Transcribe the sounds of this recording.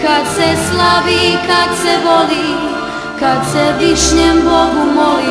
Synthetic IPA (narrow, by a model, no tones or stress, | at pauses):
kad̪sɛslaʋikad̪sɛʋo̞li | kad̪sɛliʃɲembo̞ɡumoli